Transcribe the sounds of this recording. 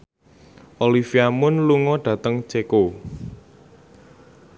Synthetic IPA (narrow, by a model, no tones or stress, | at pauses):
ʔolifiamʊnluŋɔɖ̥ä̤t̪əŋt͡ʃeko